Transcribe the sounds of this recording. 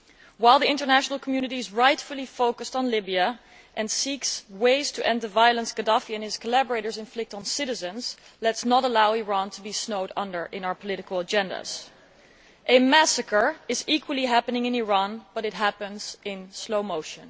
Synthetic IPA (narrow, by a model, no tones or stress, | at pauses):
waɪlˠðiɪ̃ntə˞næʃənl̩ˠkʰmjʉnɨɾiɨzɹaɪtfəl̩ˠifoʊkəstn̩lɪbiə | ʔɨ̃nsiksweɪz̥tʰəʔɛ̃nd̪ðəvajəlˠə̃nsɡ̥ɨdɑfiɨ̃nɪz̥kʰəlæbə˞eɪɾə˞zɪ̃nflɪk̚tn̩sɪɾɨzɨ̃nz̥lɛtsnəɾəlaʊiɹɑ̃ntʰəbisnoʊɾʌ̰̃ndə˞ʔɪ̃naʊə˞pʰəlɪɾɨkəl̩ˠəd͡ʒɛ̃ndə̰z̥ | ʔɨmæsəkə˞ɨzikwəlˠiɦæpənɪ̃ŋɨ̃niɹɑ̃nb̥ʌɾɨt̚ɦæpə̃nz̥ɪ̃nsloʊmoʊʃə̃n